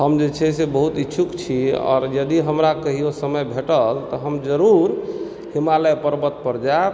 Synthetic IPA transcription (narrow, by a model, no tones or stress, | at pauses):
ɦəmd͡ʒet͡ʃʰɛsebəɦut̪itːʃʰukt͡ʃʰiɔ̰ːɾjəd̪iɦəmɾakəɦijosəməjbʱeʈəlt̪ɔɦəmd͡ʒəɾuɾ | himaləjpəɾbət̪̚pəɾd͡ʒa